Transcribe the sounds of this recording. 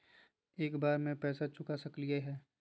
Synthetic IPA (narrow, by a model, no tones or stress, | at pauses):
eːkbaːɾmẽpɛːsat͡ʃʊkasɐklijeɦɛː